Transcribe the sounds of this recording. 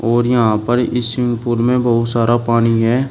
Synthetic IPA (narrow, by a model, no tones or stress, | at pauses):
ɔːɾjɐɦãpəɾɪsjʊ̃ŋɡpʊːɾmẽbəɦʊt̪saːɾapaːniɦɛː